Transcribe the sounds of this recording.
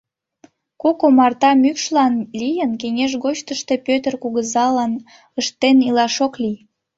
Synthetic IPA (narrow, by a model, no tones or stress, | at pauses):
kokomɑrt̪ɑmykʃlɑnlʲijənkeŋʲeʃ̬ɣot͡ɕt̪əʃt̪e̽pøt̪ərkuɣəzɑlɑn | əʃt̪ːenilɑʃoklij